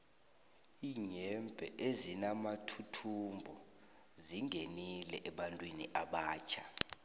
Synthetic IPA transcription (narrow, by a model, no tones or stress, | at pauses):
iːɲɛmpʼɛ̰ʔezinamatʰutʰumbʱɔ | ziŋɡʱenilɛʔɛɓantʼwiniʔaɓaːt͡ʃʰa